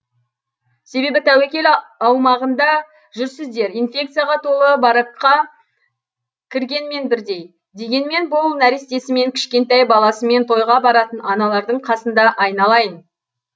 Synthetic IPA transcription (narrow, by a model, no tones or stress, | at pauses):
se̞be̞bɪt̪ʰæwækʲe̞lɑwmɑʁənd̪ɑ | ʒʏɾsɪzd̪e̞ɾijnfʲe̞kt̪sɨjaʁɑt̪ʰo̞lˠəbɑɾəqqːɑ | kʲʰɪɾɡʲe̞nme̞nbɪɾd̪e̞j | d̪e̞ɡʲe̞nme̞nbʊlˠnæɾɪst̪e̞sɪme̞ŋkʲʰɪ̥ʃkʲe̞nt̪æjbɑlˠɑsəme̞nt̪ʰo̞jʁɑbɑɾɑt̪ənɑnɑlˠɑɾd̪əɴqʰɑsənd̪ɑʔɑjnɑlˠɑjən